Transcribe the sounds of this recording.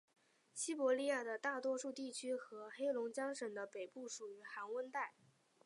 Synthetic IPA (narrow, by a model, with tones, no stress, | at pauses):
ɕi˥pwɔ˧˥li˥˧ja˥˩d̪ə˩t̪a˥˩t̪wɔ˥ʂu˥˧t̪i˥˩t͡ɕʰy˥xɤ˧˥xe˥ɪlʊ˧˥ŋt͡ɕjɑ˥ŋʂə˨˩ŋd̪ə˦pe˨˩ɪpu˥˩ʂu˨˩y˧˥xa˧˥nwə˥nt̪a˥˩ɪ